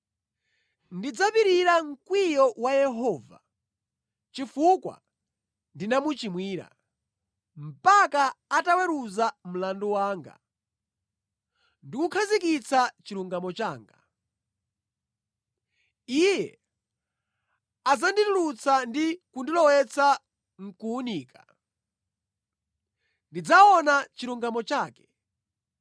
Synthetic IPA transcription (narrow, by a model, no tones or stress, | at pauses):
ndid͡zapiɾiɾaŋ̩kwijɔwajɛɦɔːva̰ | t͡ʃifukwa̰ | ndinamut͡ʃimwiːɾa̰ | m̩pakaːtawɛɾuzam̩landɔwaːŋɡa̰ | ndikukʰazikit͡sʰat͡ʃiluŋɡamɔt͡ʃa̰ːŋɡa | ijɛ̰ | ad͡zanditulut͡sʰandikundilɔwɛt͡sʰa | ŋ̩kuːniːka | ndid͡zaɔnat͡ʃiɾuŋɡamɔt͡ʃaːkɛ̥